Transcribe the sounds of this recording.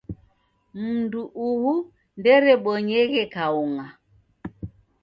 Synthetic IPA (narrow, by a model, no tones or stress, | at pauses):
m̩nduʔuhu | ndɛɾɛɓɔɲɛɣɛkauŋa